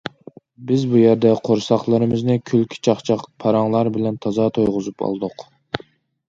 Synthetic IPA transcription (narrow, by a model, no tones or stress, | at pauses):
bɪzbujæɾd̪ɛqʰoɾsɑχlˠɨɾɨmɪznɪkʲʰylkʲʰi̥t͡ʃʰɑχt͡ʃʰɑqpʰɑɾɑŋlˠɑɾbɪlɛnt̪ʰɑzɑːt̪ʰojʁʊzupʰɑ̰lˠd̪ʊq